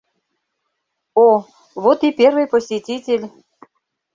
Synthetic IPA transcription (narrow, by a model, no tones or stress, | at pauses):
o | βot̪ipʲervɨjposʲitʲitʲelʲ